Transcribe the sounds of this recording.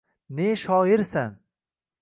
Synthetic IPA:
neʃɒɪɾsan

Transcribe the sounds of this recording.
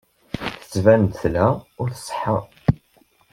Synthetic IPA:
θə̥t͡sːvænd̪θlæʊɾθsˤħəɾˤ

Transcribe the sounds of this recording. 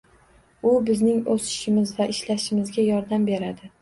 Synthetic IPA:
ʊbɪznɪŋosɪ̥ʃɪmɪzvaʔɪʃlaʃɪmɪzɡʲajɒɾd̪ambe̞ɾad̪ɪ

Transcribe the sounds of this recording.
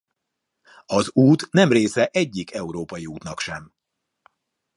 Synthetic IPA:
ɒzuːt̪nɛmreːsɛʔɛɟːikɛuɾoːpɒjiuːt̪nɒkʃɛm

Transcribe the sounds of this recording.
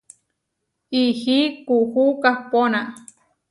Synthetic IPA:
ihikuhukahpona

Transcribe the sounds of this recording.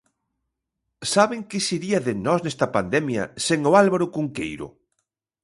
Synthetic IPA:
saβɪŋkɪsiɾiɐðɪnɔsnɛst̪ɐpand̪ɛmjɐ̰seŋʊalβaɾʊkuŋkḛjɾʊ̰

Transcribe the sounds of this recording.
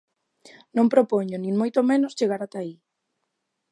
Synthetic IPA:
nõmpɾopoɲonĩŋmojt̪omẽnost͡ʃeɣaɾat̪ai

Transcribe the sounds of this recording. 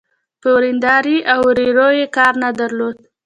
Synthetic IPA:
pəwɾind̪ɑɾiawɾeɾojekɑɾnad̪aɾlod̪

